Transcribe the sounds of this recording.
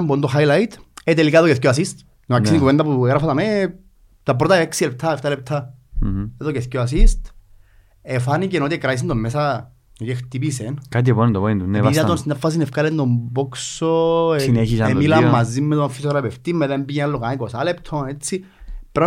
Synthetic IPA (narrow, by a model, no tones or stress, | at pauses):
mbuond̪oɦajlajt̪et̪elikaðokeθc̬ʲoas̬ist̪ | noaksinikuvend̪apueɣɾafat̪ame | t̪ap̬ɾot̪aeksilept̪ʰaeft̪alep̚t̪ʰːa | eðokeθcoas̬ist̪ | efanicenot̪iekɾais̬ind̪omːesa | ocext̪ip̬isenkat̪̬iponnd̪opoind̪uniðaonst̪nafːasinefkalend̪omboksoineçisɐemilamːazːimːet̪onfisoɾapeft̪imːeðembijelːokanikosalept̪ʰonet͡sːi | pɾo